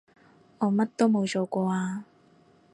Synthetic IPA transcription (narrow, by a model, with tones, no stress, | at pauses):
ɔː˨˧mɐ˥t̚t̪o˥wmo˨˧wt͡ʃoː˨kʷɔː˧aː˧